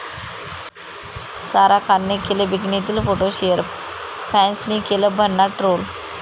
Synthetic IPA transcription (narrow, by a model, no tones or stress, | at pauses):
saɾakʰanːekeleʋiɡnet̪̬iːlfoʈoɕeəɾ | pʰɛ̃nsnikeləbʱəɳːaʈɾol